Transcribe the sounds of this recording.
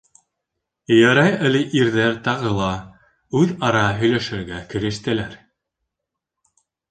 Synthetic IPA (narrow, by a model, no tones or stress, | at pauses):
jæɾɑjɘ̆lɘʔiɾðæɾt̪ɑʁɤlˠɑ | ʉðɑɾɑɦɵ̆jlæʃɘ̆ɾɡækɘ̆ɾɘ̆ʃt̪ɘ̆læɾ